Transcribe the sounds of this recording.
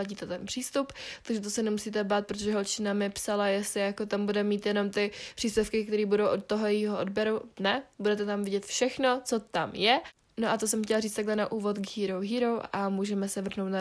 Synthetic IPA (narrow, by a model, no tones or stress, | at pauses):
aɟiːt̪ɛt̪ɛnpr̥iːst̪upt̪aɡʒɛt̪̬osɛnɛmusiːt̪ɛbaːt̪̚pɾot̪oʒɛɦolt͡ʃɪnamɪpsalajɛst̪lɪjakot̪ambudɛmiːt̪jɛno̞mt̪ɪpr̥iːspʲjɛfkɪk̚t̪ɛɾiːbudowʔot̪̚t̪oɦojɛiːɦoʔodbjɛɾunɛbudɛt̪ɛt̪amvɪɟɛt̪fʃɛxno̞t͡so̞t̪amjɛ | noʔat̪osɛmxcɛlariːt͡st̪aɡɦlɛnaʔuːvo̞t̪ɡɦiːɾowɦiːɾowamuːʒɛmɛsɛvr̩ɦno̞wt̪na